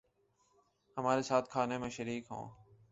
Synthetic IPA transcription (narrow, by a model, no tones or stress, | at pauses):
həmaːɾeːsaːt̪̚ʰkʰaːneːmẽːʃəɾiːkɦõ̰ː